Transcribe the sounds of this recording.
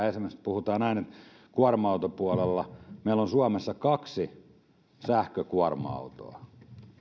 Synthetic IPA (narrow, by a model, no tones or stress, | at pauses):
ensimæst̪puhut̪ɑːnnæinet̪ | kuɑrmɑut̪opuɑlelːɑmeilːonsuɑmesːɑkɑksi | sæhkøkuɑrmɑ̰ut̪o̰ɑ